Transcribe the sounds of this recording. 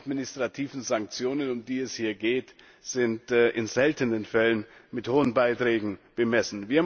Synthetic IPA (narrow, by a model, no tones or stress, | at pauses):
tmɪnɪstʁ̥atʰiːvn̩zaŋk̚t͡sjoːnənʊmdiːɛshiːɐɡeːt | z̥ɪntːʔɪnzɛltʰənənfɛlənmɪthoːənbaɪtʁ̥ɛːɡŋ̩b̥əmɛsn̩viːɐ